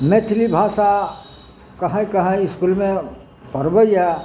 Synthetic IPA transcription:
met̪ʰlibʱaːsa | kɐɦãikɐɦãɪskulmẽ | pɐɾbəja

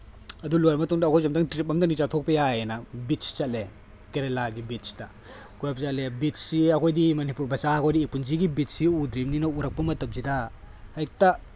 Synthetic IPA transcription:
ɐdulojmɐtuŋdɐːkʰojzomdɐŋtɾip̬̚ɐmdɐnit͡ʃatʰok̚pɐjajenɐbit̚si̥t͡ʃat̚le | keɾelaɡibit̚si̥tɐ | kujapsat̚lebitsiɐkʰojdimɐnipuɾbɐsaɐkʰojdiːpunziɡibit̚siud̪ɾimninɐuɾɐk̚pɐmɐtɐp̚zida | hajk̚ta

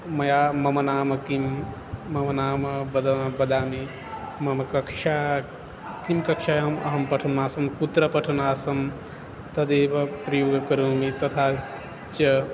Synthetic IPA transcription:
mɐjamɐmɐnaːmɐkimː | ɐmɐnaːmɐbɐd̪bɐd̪aːmi | mɐmɐkɐkʃʰa | kimkɐkʃajamɐ̰ɦɐmpɐʈʰɐnaːsɐmkut̪ɾɐpɐʈʰɐnaːsɐm | t̪ɐd̪ebɐpɾɐjoːɡkɐɾomit̪ɐt̪ʰa | t͡ʃɐ

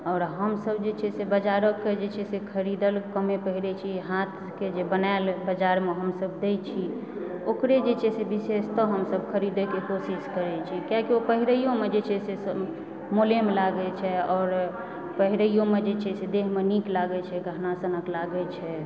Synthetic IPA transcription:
ɔːɾɦəmsəb̚d͡ʒet͡ʃʰɛsebəd͡ʒaɾəkːed͡ʒet͡ʃʰɛsekʰəɾid̪əlkəmepəɦiɾɛt͡ʃʰiɦat̪ʰked͡ʒebənaɪlbəd͡ʒaɾmeɦəmsəbd̪et͡ʃʰi | okɾed͡ʒet͡ʃʰɛsebisest̪ɔɦəmsəbkʰəɾid̪ekekosiskəɾɛt͡ʃʰikjakiopəɦiɾəijõmed͡ʒet͡ʃʰɛsesə | molemelaɡɛt͡ʃʰɛɔːɾ | pəɦiɾəijõmed͡ʒet͡ʃʰɛsed̪eɦmeniklaɡɛt͡ʃʰɛɡəɦnasənəklaɡɛt͡ʃʰɛ

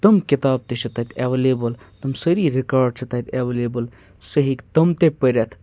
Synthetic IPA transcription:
t̪ɐmkit̪aːb̚t̪et͡ʃʰɐt̪ɐt̪ʲʰeʋeleːbɐl | t̪ɐmsəɾiɾikaːɾɖ̚t͡ʃʰɐt̪ɐt̪ʲʰeʋeleːbəl | səɦikt̪ɐmt̪epəɾʲat̪ʰ

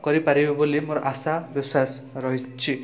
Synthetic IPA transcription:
kɔɾipaɾibɔbulimoɾɔʔasabisas | ɾɔɦit͡ʃʰi

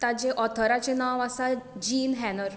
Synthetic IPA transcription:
t̪ad͡ʑeʔɔt̪ʰəɾat͡senaʋasad͡ʑiːnɦɛnəɾ

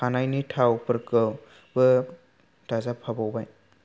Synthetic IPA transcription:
anajnitʰawpɯɾkɯw | bɯ | tazapʰabɔwbaj

